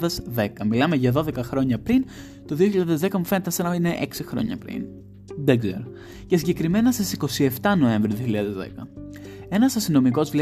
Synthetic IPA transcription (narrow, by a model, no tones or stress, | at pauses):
ðezðe̞kɐmilɐme̞ʝɐðo̞ðe̞kɐxɾo̞ɲɐpɾin | t̪o̞ðio̞çiʎaðezðe̞kɐmufe̞ne̞t̪esɐnɐine̞ʔeksixɾo̞̰ɲɐ̰pɾḭn | ðeɡzḛɾo | cesiɲɟe̞kɾime̞nɐsisiko̞sie̞ft̪ɐno̞e̞ɱvɾioðioçiʎɐðezðḛkɐe̞nɐsɐst̪ino̞miko̞zvle